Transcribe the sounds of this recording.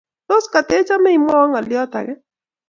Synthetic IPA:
to˦ska˨te˨˦t͡ʃa˦mɛ˦i˨mɔ˦ɔ˦ŋa˨lɪɔ˦ta̰˨ɡɛ˦

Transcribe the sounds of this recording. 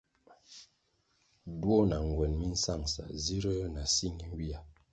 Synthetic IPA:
dwo˦na˨ŋ˨ɡwɛ˨nmi˦n̩˦sa˦˨ŋsa̰˨zi˦ɾə˦na˨si˦ŋi˦ŋ˦ɡi˦a˨

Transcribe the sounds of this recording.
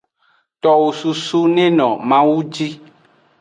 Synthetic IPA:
t̪ɔ˨wo˨su˨su˦nẽ˦nɔ̃˨mã˦wu˦d͡ʒi˦

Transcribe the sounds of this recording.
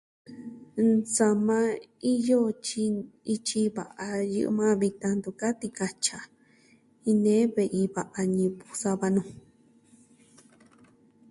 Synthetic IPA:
t͡sa˧mã˧i˦jo˦t͡ʃi˧i˧t͡ʃi˧βa̰˨ʔa˧jɨ̰˧ʔɨ̰˧mã˦βi˧t̪ã˧nd̪u˧ka˦t̪i˧ka˧t͡ʃa˧ | ĩ˧nẽ˦βe˧ʔi˧βa˧ʔa˧ɲĩ˧pu̥˧sa˧βa˧nũ˧˨

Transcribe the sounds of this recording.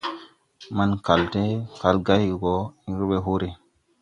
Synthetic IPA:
ma˦nka˨lte˦ka˨lɡa˦jɡɔ˨i˦ɾu˦ɓe˦ɦu˦ɾe˨

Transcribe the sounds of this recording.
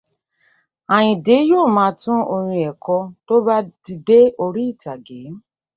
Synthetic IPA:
a˨ɲɪ˨dɪ˨˦jo˦˨mã˨tʊ̃˦o˨ɾĩ˧˦e˨kɔ˦to˦ba˦di˨de˦o˨ɾi˦˨ta˨ɡɪ˨˦

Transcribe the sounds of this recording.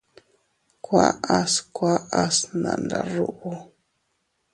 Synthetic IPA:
kwa˦a˦skwa˦a˦sna˨nda˨ɾu˦ʔu˦

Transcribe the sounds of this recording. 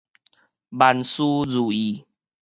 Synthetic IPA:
ba˨˧nsu˦d͡zu˨˩i˨˩

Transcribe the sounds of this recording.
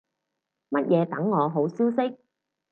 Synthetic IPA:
mɐ˥t̚jʔɛː˨˧t̪ɐ˨˥ŋːɔː˨˧ɦo˨˥wsiː˥wsɪ˥k̚

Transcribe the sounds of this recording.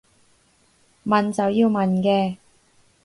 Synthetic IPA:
mɐ˨nt͡sɐ˨wjiː˧wmɐ˨nkɛː˧

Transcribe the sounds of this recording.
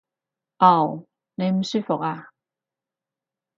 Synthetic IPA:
a˥˩w | ne˨˧jm̩˨˩˦sy˥˩fo˨k̚a˧

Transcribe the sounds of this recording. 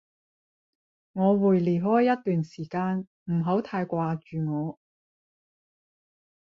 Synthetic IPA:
ŋɔː˨˧wuː˨˩jliː˨˩ɦɔː˥jːɐ˥t̚t̪yː˨nsiː˨˩kaː˧n | m̩˨˩ɦo˨˥wt̪ʰaː˧jkʷaː˧t͡ʃyː˨ŋɔː˨˧

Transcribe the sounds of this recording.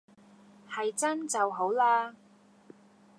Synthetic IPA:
hɐ˨jt͡sɐ˥nt͡sɐ˨wɦo˨˥wlaː˧

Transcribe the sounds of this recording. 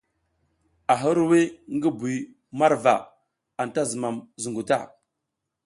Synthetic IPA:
a˨ɦə˦ɾwe˦ŋ˦ɡi˦bi˨ | ma˦ɾva̰˨ | a˨n˨ta˦zə˨ma˨mzu˨ŋɡu˨ta̰˦˨

